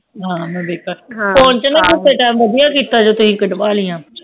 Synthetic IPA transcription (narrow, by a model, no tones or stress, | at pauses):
ɦãːmɛ̃ːbeːkəɾkɔːnt͡ʃənat̪ʊseʈaːmʋəd̪ijãːkiːt̪aːd͡ʒoːt̪ʊsĩːkəɖʋaːlijãː